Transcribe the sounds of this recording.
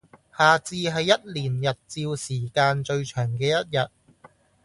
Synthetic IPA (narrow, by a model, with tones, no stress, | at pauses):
haː˨˩t͡siː˧ɦɐ˨jːɐ˥t̚liː˨˩njɐ˨t̚t͡siː˧wsiː˨˩kaː˧nt͡ʃɵ˧ɥt͡ʃʰœː˨˩ŋkɛː˧jɐ˥t̚jɐ˨t̚